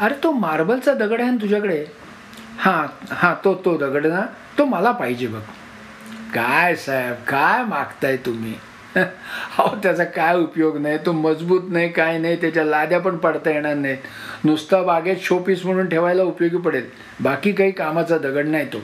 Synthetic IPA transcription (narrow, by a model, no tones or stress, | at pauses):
əɾet̪omaɾbəlt͡sad̪əɡəɽant̪̬ud͡ʑʱakəɽe | hãhãt̪ot̪od̪əɡəɽna | t̪oməlapaɦid͡ʑebəɡ | kajsajbkajmaɡt̪ajt̪um̤ḭː | hat̪jat͡sakajupjoɡnajt̪oməd͡zbuːt̪najkajnajt̪jat͡ɕjalad̪jap̬əɳpəɽt̪ajeɽ̃aɾnaj | nust̪abaɡet̪ɕopiːsm̤əɽ̃uːnʈʰeʋajlaupjoɡiːpəɽel | bakiːkaɦiːkamat͡sad̪əɡəɽnajt̪o